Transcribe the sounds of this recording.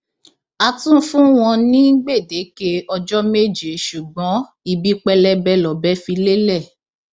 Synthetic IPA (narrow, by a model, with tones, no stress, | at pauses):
a˧tũ˦fũ˦w̃ɔ̃˧nĩ˦ŋ̩˦ɡ͡be˦˨de˨˦ke˧ɔ˧d͡ʒɔ˦me˦˨d͡ʒe˨ʃu˨ɡ͡bɔ̃˨˦ | i˧bi˦k͡pɛ˧lɛ˧bɛ˧lɔ˨bɛ˨˦fi˧le˦lɛ˦˨